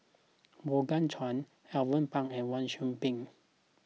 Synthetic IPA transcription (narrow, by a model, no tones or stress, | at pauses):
boɡant͡ʃʰɔn | ɛwɔnpaŋɛnwɔnʃumpiŋ